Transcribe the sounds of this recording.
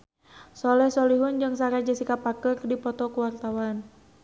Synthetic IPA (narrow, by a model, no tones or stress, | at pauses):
sɔlɛhsɔliɦund͡ʒɨŋsaɾad͡ʒasikapakɨrdipɔt̪ɔkuwart̪awan